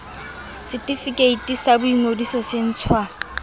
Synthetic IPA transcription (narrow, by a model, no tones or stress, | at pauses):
sɪtʼifikʼeitʼisabʊiŋodisɔsen̩ːt͡sʰwa